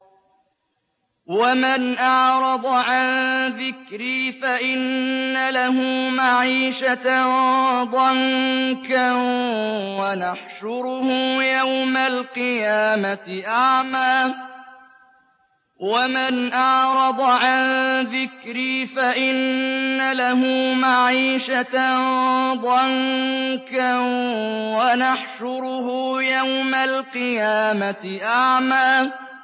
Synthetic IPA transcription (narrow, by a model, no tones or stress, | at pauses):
wamanʔɑʕɾˤɑd̪ˤɑʕanðɪkɾiːfaʔɪnːalahʊmaʕiːʃat | ðˤɑŋka | wanaħʃʊɾʊhʊjawmalqɨjaːmaɪʔaʕmaː | wamɪnʔɑʕɾˤɑd̪ˤɑʕanðɪkɾiːfaʔɪnːalaɦʊmaʕiːʃat | d̪ˤɑŋka | wanaħʃʊɾʊhʊjawmalqɨjaːmat̪ɪʔaʕmaː